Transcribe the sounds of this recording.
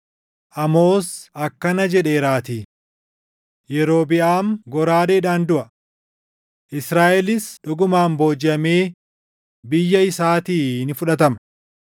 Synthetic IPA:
ʔɐmo̞ːsʔɐkːɐnɐd͡ʒɛᶑe̞ːɾaːt̪iː | jɛɾo̞ːbɪʔaːmɡɔɾaːdeːᶑaːnd̪ʊʔɐ | ʔɪsɾaːʔɛlɪsᶑɔɡʊmaːmbo̞ːd͡ʒɪɐme̞ː | bɪjːɐɪsaːt̪iːnɪfʊᶑɐt̪ɐmɐ

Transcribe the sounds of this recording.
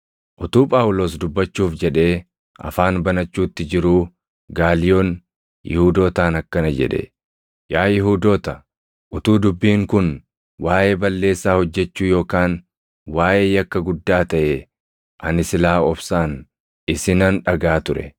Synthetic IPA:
ʔʊt̪uːpʼaːwʊlo̞ːs̬d̪ʊbːɐt͡ʃːuːfd͡ʒɛᶑe̞ː | ʔɐ̰faːnbɐnɐt͡ʃːuːt̪ːɪd͡ʒɪɾuː | ɡaːlɪjoːn | jɪhuːd̪o̞ːt̪aːnɐkːɐnɐd͡ʒɛ̰ᶑɛ̰ | jaːjɪɦuːd̪oːt̪ɐ | ʔʊt̪uːd̪ʊbːiːŋkʊn | waːʔe̞ːbɐlːe̞ːsːaːhɔd͡ʒːɛt͡ʃːuːjo̞ːkaːn | waːʔe̞ːjɐkːɐɡʊd̪ːaːt̪ɐʔeː | ʔɐnɪsɪlaːɔbsaːn | ɪsɪnɐnᶑɐɡaːt̪ʊɾɛ̰

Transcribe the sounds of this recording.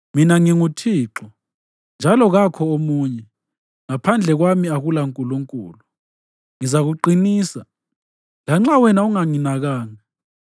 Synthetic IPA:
minaŋiŋutʰiːǁɔ | nd͡ʒʱalɔɣakʰɔomuːɲɛ | ŋapʰand͡ɮʱɛɣwamiaɣulaŋkʼuluŋkʼṵːlu | ŋizaɣuǃiniːsa | laŋ͡ǁawɛnauŋaŋinaɣaːŋa

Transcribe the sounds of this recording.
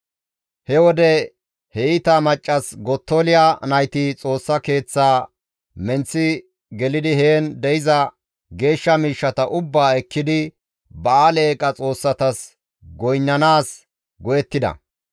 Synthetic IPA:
hɛwɔd̪ɛ | hɛɪt̪ɐmɐt͡ʃʼːɐsɡɔt̪ːolɪjanɐjt̪ɪt͡sʼo̞ːsːɐke̞ːt͡sːaː | mɛnt͡sːɪ | ɡɛlɪd̪ɪɦeːnd̪ɛjɪzɐ | ɡe̞ːʃːɐmiːʃːɐt̪ɐʔʊbːaːɛkːɪd̪ɪ | bɐaleːkʼːɐt͡sʼo̞ːsːɐt̪ɐs | ɡɔjnːɐnaːs | ɡɔjɛt̪ːɪd̪ɐ̰

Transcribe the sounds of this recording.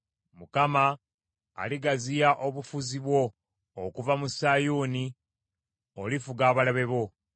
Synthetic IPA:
mukama̰ː | liɡazijaʔo̞βufuziβwo̞ː | kuvamusajuːni | olifuɡaːβalaβe̞βo̞

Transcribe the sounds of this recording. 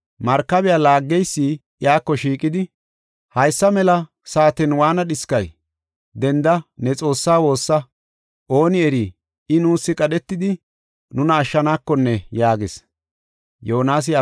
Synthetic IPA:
mɐɾkːɐbɪjaːlaːɡːɛjsːiːʔjaːkːɔʃiːkʼɪd̪ɪ | hɐjsːɐmɛlɐ | saːt̪ɛnwaːnɐɗɪskɐj | d̪ɛnd̪ɐnɛt͡sʼo̞ːsːaːwo̞ːsːɐ | ʔo̞ːnɪɛɾiː | ɪnuːsːɪkʼɐɗɛt̪ːɪd̪ɪ | nʊnɐːʃːɐnaːkːɔnːɛjaːɡɪs | joɔnaːs̬ɪɐ

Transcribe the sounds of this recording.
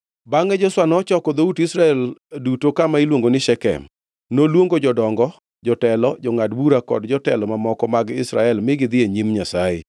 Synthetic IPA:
baŋɛd͡ʒɔswanɔt͡ʃɔkɔd̪outɪsɾaɛldutokamailwoŋɡonɪʃɛkɛ̰m | nolwoŋɡod͡ʒɔdɔŋɡɔ | d͡ʒɔtɛlɔd͡ʒɔŋadbuɾakɔ̰dd͡ʒɔtɛlɔmamɔkɔmaɡɪsɾaɛlmɪɡɪd̪ɪeɲimɲasaɪ̰

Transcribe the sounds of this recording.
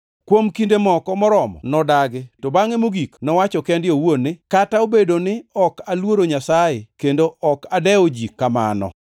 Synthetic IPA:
kwomkindemɔkɔmɔɾɔmɔ̰nɔdaɡɪttobaŋemoɡiknɔwat͡ʃɔkɛndɪowonɪkataobedonɪɔkalwoɾoɲasajekendoʔɔkadɛod͡ʒikːama̰nɔ̰

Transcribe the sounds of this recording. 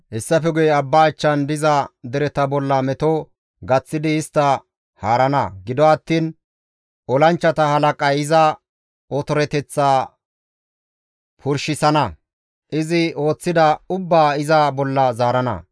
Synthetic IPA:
hɛsːɐfɛɡʊjɛɐbːaːt͡ʃːɐnd̪ɪzɐd̪ɛɾɛt̪ɐbɔlːɐmɛt̪ɔ | ɡɐt͡sːɪd̪ɪɪst̪ːɐ | haːɾɐnɐ̰ɡɪd̪ɔɐt̪ːiːn | ɔlɐnt͡ʃːɐt̪ɐhɐlɐkʼɐjɪzɐ | ɔt̪ɔɾɛt̪ɛt͡sːaː | pʰʊɾʃɪsɐnɐ | ʔɪzɪo̞ːt͡sːɪd̪ɐʊbːaːɪzɐbɔlːɐzaːɾɐnɐ̰

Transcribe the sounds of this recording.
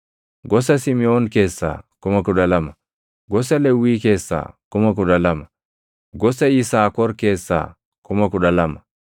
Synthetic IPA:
ɡɔs̬ɐsɪmɪoːnke̞ːsːa̰ːkʊmɐkʊᶑɐlɐmɐ | ɡɔs̬ɐlɛwːiːke̞ːsːa̰ːkʊmɐk̬ʊᶑɐlɐm | ɡɔsɐɪsaːkɔɾke̞ːsːa̰ː | kʊmɐkʊᶑɐlɐmɐ

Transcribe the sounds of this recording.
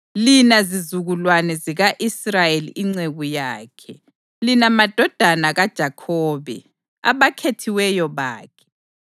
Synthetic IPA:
linazizuɣulwanɛziɣaʔisrajelḭʔiŋ͡ǀeɣujaːkʰɛ | linamad̥ʱɔd̥ʱanaɣad̥ʒ̥ʱakʰɔːβɛ̰ | a̰βakʰetʰiwɛjɔβa̰ːkʰɛ̥

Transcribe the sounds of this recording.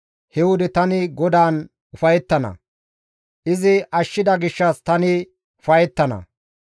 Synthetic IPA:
hɛwʊd̪ɪt̪ɐnɪɡɔd̪aːn | ʊfɐjɛt̪ːɐnɐ̰ | ʔɪzɪɐʃːɪd̪ɐɡɪʃːɐst̪ɐnɪ | ʊfɐjɛt̪ːɐnɐ̰

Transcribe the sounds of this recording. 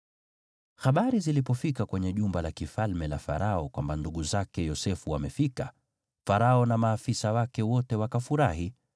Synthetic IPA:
xaɓaɾizilipɔfikakwɛɲɛʄumbalakifalmɛlafa̰ɾaɔkwambanduɠuzakɛjɔsɛfuwamɛfika | faɾaɔnamaːfisawakɛwɔtɛwakafuɾaɦi

